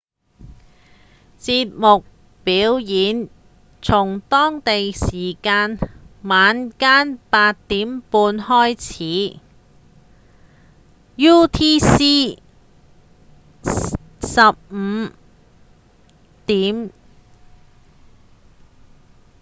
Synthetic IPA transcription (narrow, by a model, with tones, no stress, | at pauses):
t͡siː˧t̚mʊ˨k̚ | piː˨˥wjiː˨˥n | t͡sʰʊ˨˩ŋt̪ɔː˥ŋt̪e˨jsiː˨˩kaː˧nmaː˨˧nkaː˥npaː˧t̚t̪iː˨˥mpuː˧nhɔː˥jt͡sʰiː˨˥ | juː˥t̪ʰiː˥siː˥ | sɐ˨p̚m̩˨˧ | t̪iː˨˥m